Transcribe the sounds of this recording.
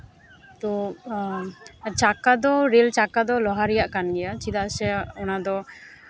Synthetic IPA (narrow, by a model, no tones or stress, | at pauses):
t̪o | t͡ʃakad̪ɔɾelt͡ʃakad̪ɔlɔɦaɾijaʔkanɡɛjat͡ʃid̪asɛɔnad̪ɔ